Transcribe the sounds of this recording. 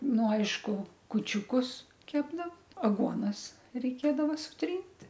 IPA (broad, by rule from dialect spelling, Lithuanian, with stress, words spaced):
ˈnʊ ˈɐɪʃkʊ kʊt͡ʃʲuːˈkʊs ˈkʲæːbdɐʋoː ɐˈɡuɔnɐs rʲɛɪˈkʲeːdɐʋɐ sʊˈtʲrʲiːnʲtʲ